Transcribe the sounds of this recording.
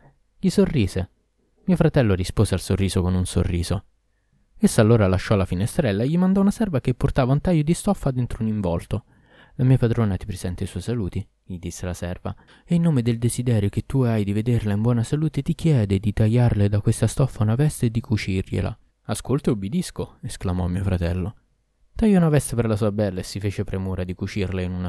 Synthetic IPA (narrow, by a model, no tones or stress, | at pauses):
ʎisorːiːze | miofɾat̪ɛlːoɾispoːzealsorːiːzokonunso̰rːḭːzo | esːaːlːoːɾalaʃːɔlafinest̪ɾɛlːaeʎːimand̪ɔunasɛrvak̟epːort̪aːvaunt̪ajːod̪ist̪ɔfːad̪ent̪ɾouniɱvɔlt̪o | lamiːapad̪ɾoːnat̪i̥pɾez̥ɛnt̪esɔjsaluːt̪i | ʎid̪isːelasɛrva̰ | einːoːmed̪eld̪ezid̪ɛːɾjok̟et̪ːuajd̪ived̪erlaimbwɔːnasaluːt̪et̪ikjɛːd̪ed̪it̪ajːarled̪akwest̪ast̪ɔfːaunavɛst̪ed̪ikut͡ʃirʎḛla̰ | askolt̪eubed̪iskoesklamɔmiːofɾat̪ɛlːo | t̪ajːɔunavɛst̪eperlasuːabɛlːaesːifeːt͡ʃepɾemuːɾad̪ikut͡ʃirlainuna